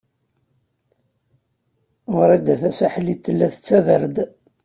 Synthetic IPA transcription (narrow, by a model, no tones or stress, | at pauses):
ðɾˤæd̪æθæsæħlit̪ːəlːæθət͡sːæðəɾd̪